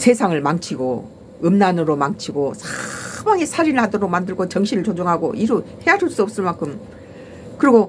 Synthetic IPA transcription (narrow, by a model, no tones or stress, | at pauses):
sʰe̞sʰaŋɯɭmaŋt͡ɕʰiɡo | ɯmnanɯɾomaŋt͡ɕʰiɡosʰamaŋesʰaɾinɯɭhadoɾoɡ̚mandɯɭɡot͡ɕʌŋɕʰiɾɯɭt͡ɕod͡ʑoŋɦaɡo̰ʔiɾohejad͡ʑuɭs͈uʌp̚s͈ɯɭmaŋkʰɯm | kɯɾiɡo